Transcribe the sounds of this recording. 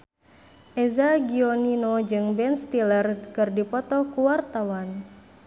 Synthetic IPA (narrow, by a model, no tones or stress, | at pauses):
ʔɛzaɡiɔninod͡ʒɨŋbɛnst̪ilərkɨrdipɔt̪ɔkuwart̪awan